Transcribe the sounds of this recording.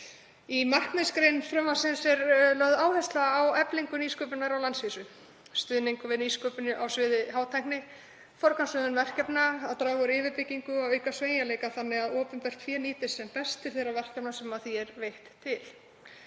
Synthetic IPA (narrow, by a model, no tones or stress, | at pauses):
imar̥knɪskɾejnfɾʏmvasɪnsɛɾlœðaːwhɛst̪laːwɛpliŋkʏniːskœːpɪnaɾawlansviːsʏ | st̪ʏðniŋkʏvɪðniːskœːpɪnʏʔawsvɪːðɪɦaːwt̪ʰajhknɪ | fɔɾ̥kansʏðʏnvɛr̥cɛpnaaðt̪ɾaːvʏɾɪːvɪɾpɪcːiŋkʏawœhkasveːjalejkaθanːɛɣaðɔːpʏnp̪ɛr̥t̪fjɛːniːt̪ɪsɛmpɛst̪ɪ̥θejɾavɛr̥cɛpnasɛmaθiɛɾvejht̪ʰːɪl